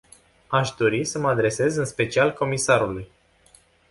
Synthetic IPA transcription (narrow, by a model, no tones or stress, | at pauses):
aʃd̪o̞ɾisəməad̪ɾe̞se̞zɨnspe̞t͡ʃialko̞misaɾuluj